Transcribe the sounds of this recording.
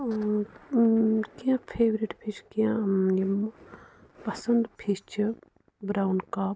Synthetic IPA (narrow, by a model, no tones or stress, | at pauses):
kijãpʰeːʋɾiʈpʰit͡ʃʰkijãjm | pɐsɐnd̪pʰist͡ʃʰi | bɾaːwnkaːb